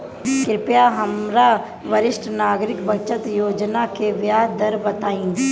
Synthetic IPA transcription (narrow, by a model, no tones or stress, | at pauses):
kɾɪpjaɦəmɾa | ʋəɾɪʃʈʰnaːɡɾɪkbət͡ʃət̪joːd͡ʒnakeʋjaːd̪əɾbɐt̪aːĩː